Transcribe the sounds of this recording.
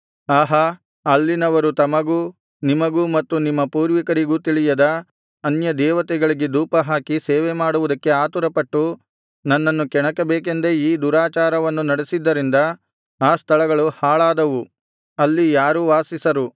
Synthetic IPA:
aːɦɐ | ɐlːinɐʋɐɾut̪ɐmɐɡuː | nimɐɡuːmɐt̪ːunimːɐpuːɾʋikɐɾiɡut̪iɭijɐd̪ɐ | ɐnjɐd̪ɛːʋɐt̪ɛɡɐɭiɡed̪uːpɐɦaːkiseːʋemaːɽuʋud̪ɐkːe̞aːt̪uɾɐpɐʈːu | nɐnːɐnːukɛɳɐkɐbeːk̬end̪eiːd̪uɾaːt͡ʃaːɾɐʋɐnːunɐɽesid̪ːɐɾind̪ɐ | aːst̪ʰɐɭɐɡɐɭuhaːɭaːd̪ɐʋu | ɐlːijaːɾuʋaːsisɐɾu

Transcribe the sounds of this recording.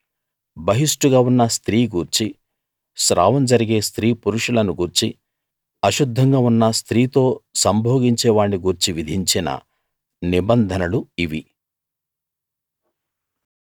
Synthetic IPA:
bɐɦiʂʈuɡaːunːɐst̪ɾiːɡuːɾt͡ʃi | ʃɾa̰ːʋɐmd͡ʒɐɾiɡeːst̪ɾiːpuɾuʂulɐnuɡuːɾt͡ʃi | ɐʃud̪ʱːɐŋɡaːunːɐst̪ɾiːt̪o̞ːsɐmbʱoːɡiɲt͡ʃɛːʋaːɳːiɡuːɾt͡ʃiʋid̪ʱiɲt͡ʃinɐ̰ | nibɐnd̪ʱɐnɐluiʋi

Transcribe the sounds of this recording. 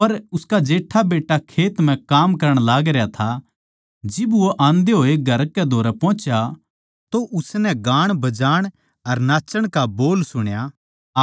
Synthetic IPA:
pɐɾʊskad͡ʒeːʈʰabeːʈːakʰeːt̪m̤ɛ̃kaːmkɐɾəɽ̃laːɡɾejat̪ʰa | d͡ʒɪbʋoʔãːnd̪eɦoːeɡʱɐɾkɛd̪ʱoːɾɛpɔ̃ːt͡ʃja | t̪oʔʊsnɛɡaːɽ̃bɐd͡ʒaːɽ̃ | ɐɾnaːt͡ʃəɽ̃kaboːlsʊɽ̃ja

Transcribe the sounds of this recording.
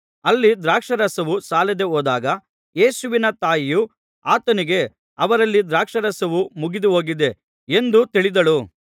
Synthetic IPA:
ɐlːid̪ɾaːkʂɐɾɐsɐʋusaːled̪e̞oːd̪aːɡɐ | jeːsuʋinɐt̪aːjiju | aːt̪ɐniɡe̞ | ɐʋɐɾɐlːid̪ɾaːkʂɐɾɐsɐʋumuɡid̪uɦoːɡid̪e̞ | end̪ut̪iɭid̪ɐɭu

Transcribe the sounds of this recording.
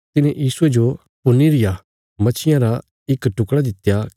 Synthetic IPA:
t̪ɪnẽjiːsued͡ʒo | pʊniɾɪja | mɐt͡ʃʰɪjãɾa | ɪkʈʊkɽad̪ɪt̪ːja

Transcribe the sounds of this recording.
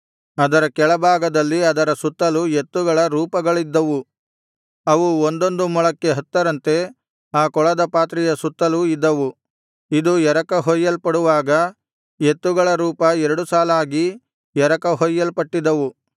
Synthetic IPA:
ɐd̪ɐɾɐkɛɭɐbʱaːɡɐd̪ɐlːiɐd̪ɐɾɐsut̪ːɐluet̪ːuɡɐɭɐɾuːpɐɡɐɭid̪ːɐʋu | ɐʋuond̪o̞nd̪umɔɭɐkːe̞ɦɐt̪ːɐɾɐnt̪e̞ | aːkɔɭɐd̪ɐpaːt̪̬ɾijɐsut̪ːɐluid̪ːɐʋu | id̪ujɛɾɐkɐɦɔjːɐlpɐɽuʋaːɡɐ | jet̪ːuɡɐɭɐɾuːpɐɛɾɐɽusaːlaːɡi | jɛɾɐkɐɦɔjːɐlpɐʈːid̪ɐʋu

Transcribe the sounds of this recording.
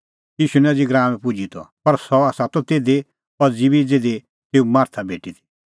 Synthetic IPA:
jiːʃunɛd͡ziɡɾãːmɛ̃pud͡ʒit̪ɔ̰pɐɾsɔaːsat̪ɔt̪eːd̪e | pɐɾd͡zibid͡zeːd̪e | t̪eːumaːɾt̪ʰabeːʈit̪ʰi̥

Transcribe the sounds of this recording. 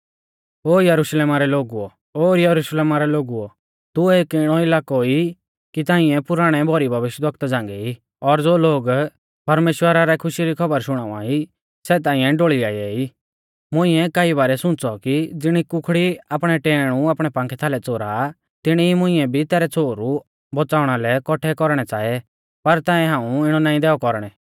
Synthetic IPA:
oːjɐɾuʃleːmaɾɛloːɡuɔ | oːɾjɐɾuʃleːmaɾɛloːɡuɔ | t̪ʊeːkɪɽ̃ɔɪlaːkɔi | kit̪ãːɪ̃ɛ̃pʊɾaːɽ̃ɛbʱɔɾibʱɐʋɪʃjd̪ʋɐk̚t̪ad͡zãːŋɡɛi | ɔɾd͡zoːloːɡ | pɐɾmeːʃwəɾaɾɛkʰʊʃiɾikʰɐbəɾʃʊɽ̃aːʋã̰ːi | sɛːt̪̬ãːĩɛ̃ɖoːɭiaːiɛːi | mʊ̃ɪ̃ɛkaːiβaːɾɛsʊ̃t͡sɔkid͡zɪɽ̃ikʊkʰɽiapɽ̃ɛʈɛːɽ̃uaːpɽ̃ɛpãːŋkʰɛt̪ʰaːlɛt͡soːɾa | t̪ɪɽ̃iimʊ̃ɪ̃ɛbʱit̪ɛːɾɛt͡sʰoːɾu | bɔt͡saːʊɽ̃alɛkɔʈʰɛkɔɾɽ̃ɛt͡saːɛ | pɐɾt̪ãːɛ̃ɦãːũɪɽ̃ɔnãːĩd̪ɛːɔkɔɾɽ̃ɛ

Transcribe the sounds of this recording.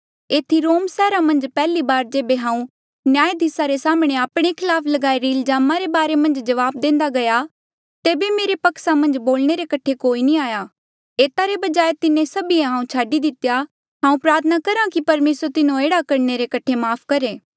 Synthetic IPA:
eːt̪ʰiɾoːmsɛːɾamɐ̃nd͡ʒpɛːlibaːɾd͡ʒeːbeɦãːũ | njaːjed̪ʱɪsaɾesaːmɽ̃eaːpɽ̃ekʰɪlaːpʰlɐɡaːiɾiɪlzaːmaɾebaːɾemɐ̃nd͡ʒd͡ʒɐʋaːb̚d̪ẽːnd̪aɡɐja | t̪eːbemeːɾepɐksamɐ̃nd͡ʒboːlñeɾekɐʈʰekoːinĩaːja | eːt̪aɾebɐd͡ʒaːet̪ɪnẽsɐbiẽɦãːũt͡ʃʰaːɖid̪ɪt̪ja | ɦãːũpɾaːt̪ʰənakɐɾãkipɐɾmeːsɾt̪ɪnõeːɽakɐɾɳeɾekɐʈʰemaːpʰkɐɾeː

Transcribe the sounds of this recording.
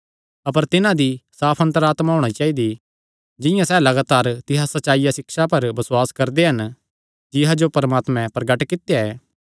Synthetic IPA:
ɐpəɾt̪ɪnãd̪isaːpʰɐ̃nt̪əɾaːt̪maɦoːɽ̃ait͡ʃaːid̪i | d͡ʒɪ̃jãsɛːlɐɡaːt̪aːɾt̪ɪɦasɐtːt͡ʃːaːijasɪkʃapɐɾbɐswaːskɐɾd̪eɦɐn | d͡ʒɪɦad͡ʒopɐɾmaːt̪mɛ̃pɐɾɐɡɐʈkɪt̪ejaɛː

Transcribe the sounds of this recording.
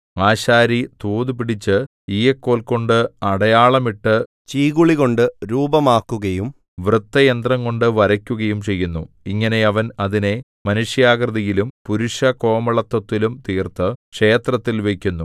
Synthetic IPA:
aːɕaːɾit̪uːðupiɽit͡ɕːɨ | ijɐkːo̞ːlko̞ɳɖɨɐɽɐjaːɭɐmiʈːɨ | t͡ɕiːɣuɭiɣo̞ɳɖɨɾuːbɐmaːkːuɣɐjum | ʋrɨt̪ːɐjend̪rɐŋko̞ɳɖɨʋɐɾɐkʲːuɣɐjumt͡ɕe̞jːunːu | iŋːɐne̞ɐʋɐnɐðine̞ | mɐnuʂjaːɡrɐðɐjilumpuɾuʂɐko̞ːmɐɭɐt̪ːɐt̪ːilumt̪iːrt̪ɨkʂe̞ːt̪rɐt̪ːilʋe̞kʲːunːu

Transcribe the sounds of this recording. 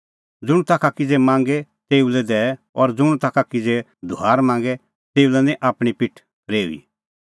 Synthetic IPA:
d͡zʊɽ̃ũt̪akʰakid͡zemãːŋɡɛt̪eːulɛd̪ɛɛ | ɔɾd͡zʊ̃ut̪akʰakid͡ze | d̪ʱuaːɾmãːŋɡɛ | t̪eːulɛnĩʔaːpɽ̃ipɪʈʰ | ɾḛːḭ

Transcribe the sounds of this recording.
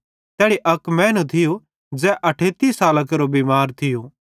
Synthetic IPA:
t̪ɛːɽiʔɐkmɛ̃ːnũt̪ʰɪjo | d͡zɛːʔɐʈʰeːt̪isaːləkɾobiːmaːɾt̪ʰɪjoː

